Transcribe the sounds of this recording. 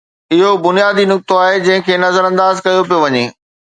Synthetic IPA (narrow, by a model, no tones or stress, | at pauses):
ɪɦobʊnijaːd̪inʊk̚t̪oaːɦed͡ʑɐ̃ɦɪ̃kʰeːnɐzəɾɐ̃nd̪aːzkɐjop̬ijoʋɐɲeː